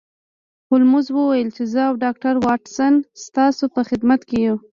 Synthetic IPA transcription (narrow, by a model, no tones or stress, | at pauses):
hʊlmʊzwəwajəlt͡ʃezəawɖɑk̚ʈaɾwɑʈsanst̪ɑsopəxɪd̪mat̪keju